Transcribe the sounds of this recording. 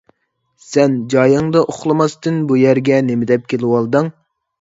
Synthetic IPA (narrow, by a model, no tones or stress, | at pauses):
sɛnd͡ʒɑjɑŋd̪ɑʔoχlˠɨmɑst̪ɨnbujæɾɡʲɛnemɪd̪ɛp̚kʲʰelɪwɑlˠd̪ɨŋ